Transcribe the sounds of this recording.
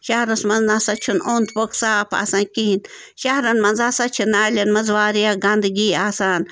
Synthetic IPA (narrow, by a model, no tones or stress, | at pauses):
ʃahɾosmaznasat͡ʃʰunʔond̪poksapa̰sankihin | ʃahɾanmanzasat͡ʃʰɨnalʲanməzwaɾiaɡand̪ɡiasan